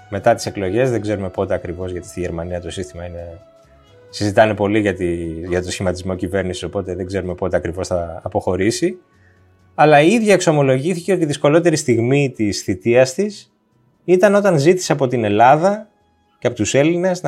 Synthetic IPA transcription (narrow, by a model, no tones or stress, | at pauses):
me̞t̪ɐt̪i̥se̞klo̞ʝe̞zðe̞ɡze̞ɾume̞po̞t̪e̞ɐkɾivo̞zʝɐt̪i̥st̪iʝeɾmɐniɐt̪o̞sist̪imɐine̞ | sizit̪ɐne̞po̞liʝɐt̪iʝɐt̪o̞sçimɐt̪izmo̞cive̞ɾnisi̥so̞po̞t̪e̞ðe̞ɡze̞ɾume̞po̞t̪e̞ɐkɾivo̞sθɐːpo̞xo̞ɾisi | ɐlɐiiðʝɐekso̞mo̞lo̞ʝiθiceo̞t̪iðisko̞lo̞t̪e̞ɾist̪iɣmit̪isθit̪iɐst̪is | it̪ɐno̞t̪ɐnzit̪i̥seɐpo̞t̪ine̞lɐðɐ | ceɐpo̞t̪use̞line̞zn